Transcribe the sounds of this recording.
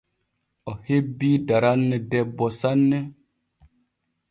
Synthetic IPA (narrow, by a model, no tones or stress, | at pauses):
ɔhebiːdaɾanːɛdɛbɔsanːe